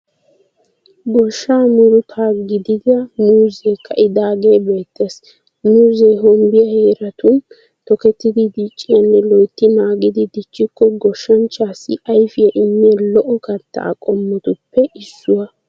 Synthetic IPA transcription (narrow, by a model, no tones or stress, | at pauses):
ɡɔʃːaːmʊɾʊt̪ʰaːɡɪd̪ɪd̪ɐmuːzeːkʰːɐʔɪd̪aːɡe̞ːbe̞ːt̪ʰːe̞ːs | muːzeːɦɔnbɪjɐheːɾɐt̪ʊn | t̪ɔkɛt̪ːɪd̪ɪd̪it͡ʃʼːɪjɐnːɛlɔjt̪ːɪnaːɡɪd̪ɪd̪ɪt͡ʃːɪkːɔɡɔʃːɐnt͡ʃːaːsːɪ̰ʔɐjfɪjɐʔɪmːɪɐlɔʔɔkɐt̪ʰːɐ̰ːkʼɔmːɔt̪ʊpːɛʔɪsːʊwɐ